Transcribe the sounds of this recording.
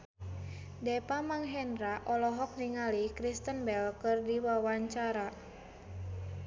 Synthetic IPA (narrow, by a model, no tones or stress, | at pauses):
dɛpamaŋɦɛnɾaʔɔlɔɦɔk̚niŋalikɾist̪ənbɛlkɨrdiwawaɲt͡ʃaɾa